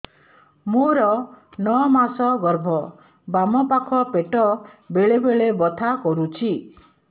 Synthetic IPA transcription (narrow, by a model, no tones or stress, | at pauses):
moɾɔnɔmasɔɡɔɾbʱɔ | bamɔpakʰɔpeʈɔbeɭebeɭebɔt̪ʰakɔɾut͡ʃʰi